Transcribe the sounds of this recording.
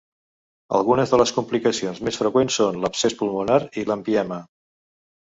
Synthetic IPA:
ə̰lˠɣunəzðələskumplikəsionzmesfɾəkwensːonləpsespulˠmunaɾiləmpiɛmə

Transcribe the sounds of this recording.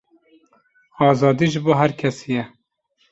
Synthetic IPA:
ɑːzɑːd̪iːʒɨboːɦæɾkʲʰɛsijɛ

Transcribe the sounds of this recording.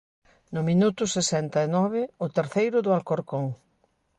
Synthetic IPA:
nʊmĩnut̪ʊsesɛnt̪ɐɪnɔβ̞ɪʊt̪eɾθejɾʊðʊalkoɾkoŋ

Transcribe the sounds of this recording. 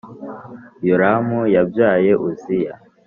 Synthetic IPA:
joɾamujabjaːje̞ʔuzija̰

